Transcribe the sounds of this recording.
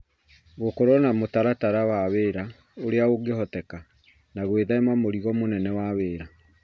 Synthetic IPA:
ɣokoɾɔnamotaɾataɾawaβeːɾa | oɾeaoɡeɦɔtɛka | naɣweðaemamoɾiɣɔmonɛnɛwaβeːɾa

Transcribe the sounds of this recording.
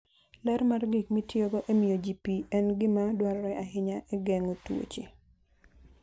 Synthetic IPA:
lɛɾmarɡikmitjoɡoʔemiod͡ʒipiɛnɡɪmadwaɾɔɾɛaɦɪɲaʔeɡɛŋotwo̰t͡ʃe

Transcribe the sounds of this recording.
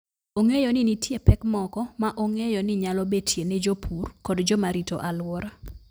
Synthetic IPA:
oŋejɔnɪnitjepɛkmɔkɔmaʔoŋejɔnɪɲalɔbetjened͡ʒopʰurkɔdd͡ʒɔmaɾito̰ʔalwɔɾa

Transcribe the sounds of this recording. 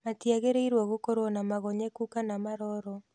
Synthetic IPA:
matiaɣeɾeiɾwɔɣokoɾonamaɣoɲekukanamaɾɔɾɔ

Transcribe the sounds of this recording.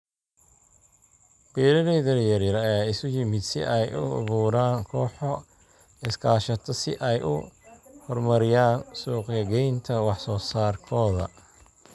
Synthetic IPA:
b̥ɛːɾɐðɛːðɐjɐɾjɐɾɐjaːɪsʊjɪmɪd̪sɪ̰ʔɛjʔʊ̰βuːɾaːnkʰɔːħɔ | ɪskʰaːʃɐt̪ʰɔsɪʔɛjʔʊhɔrmɐɾɪjaːnsuːqɡɐɡɛjnt̪ʰɐwɑħsɔːsaːrkʰɔːðɐ̰

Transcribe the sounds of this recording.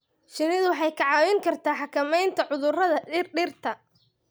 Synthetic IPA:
ʃɪnɪðʊwɑħɑjkʰɐʕɑːwɪŋkʰɐrt̪ʰaːħɑkʰɐmɛjnt̪ʰɐʕʊðʊrɐðɐɪrɖɪrt̪ʰɐ

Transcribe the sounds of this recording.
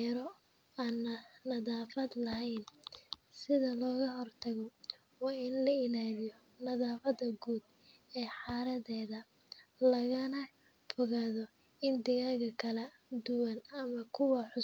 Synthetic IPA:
ɾɔ | aːnːɐnɐðaːfɐd̪lɐɦɛjnsɪðɐlɔːɣɐɦɔrt̪ʰɐɣɔ | wɑːɪnlɐɪlaːlɪjɔ | nɐðaːfɐd̪ɐɡuːd̪ | ɛːħɑːɾɐðɛːðɐ | lɐɣɐnɐ | fɔɣaːðɔ | ɪnd̪ɪɣaːɣɐkʰɐlɐ | d̪ʊwɐnɐmɐkʰʊwɐħʊ

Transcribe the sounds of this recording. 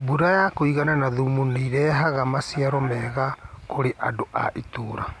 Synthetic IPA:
buɾajakoiɣananaðumuneiɾɛɦaɣamasiaɾɔmɛɣakoɾeʔadoʔa̰ʔitoːɾa̰

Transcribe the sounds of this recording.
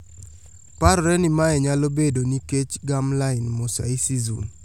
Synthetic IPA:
paɾɔɾɛnimaɛɲalobedoniket͡ʃɡamlaɪnmɔsa̰isizṵn

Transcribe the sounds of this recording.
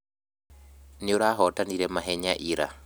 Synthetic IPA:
neoɾaɦɔtʼaniɾɛmaɦɛɲaʔiɾa̰

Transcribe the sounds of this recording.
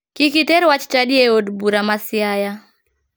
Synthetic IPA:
kikitɛɾwat͡ʃi̥t͡ʃaɗiɛɔdbuɾamasiaja

